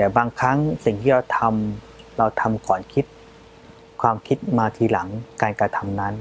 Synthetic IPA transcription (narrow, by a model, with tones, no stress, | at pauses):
t̪ɛː˨˩baː˧ŋkʰa˦˥ŋsi˨˩ŋt̪ʰiː˧ɾa˧wt̪ʰa˧m | ɾa˧wt̪ʰa˧mkɔː˨˩nkʰi˦˥t̪̚ | kʰwaː˧mkʰi˦˥t̪̚maː˧t̪ʰiː˧la˩˦ŋkaː˧nkɾa˧t̪ʰa˧mna˦˥n